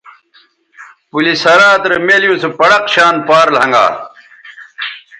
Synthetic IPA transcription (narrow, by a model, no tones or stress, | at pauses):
pulishɐɾaːt̪ɾɐmeːlijũsepɐɽɐqɕaːnpaːɾlhɐŋɡa̰ː